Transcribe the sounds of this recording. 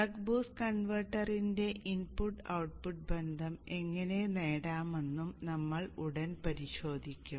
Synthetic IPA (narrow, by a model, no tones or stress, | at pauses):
ɐkbuːskɐɳʋɐrʈːɐrinde̞ʔinpuʈːɐ̰wʈ̚puʈ̚be̞nd̪ʱɐme̞ŋːɐne̞ne̞ːɽaːmenːumnɐmːɐɭuɽɐnpɐɾiɕo̞ːd̪ʱikʲːum